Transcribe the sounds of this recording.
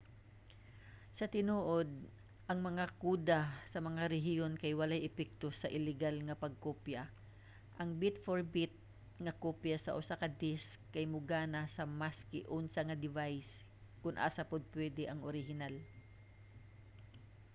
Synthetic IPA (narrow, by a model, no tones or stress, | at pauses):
sɐt̪ɪnuːʔod̪̚ | ʔɐŋmɐŋakuːd̪asɐmɐŋaɾɛɦɪjonkɐjwɐlajʔɛpɛk̚t̪osɐʔɪlɪɡalŋɐpɐɡ̚kopja | ʔɐŋbɪt̪foɹbɪt̪̚ | ŋɐkopjasɐ̰ʔʊsakɐd̪ɪskkːɐjmʊɡaːnasɐmaskɪʔʊnsaŋɐd̪ɪvajs | kʊnʔa̰ːsapʊd̪̚pwɛd̪ɛʔɐŋʔoɾɪhɪnal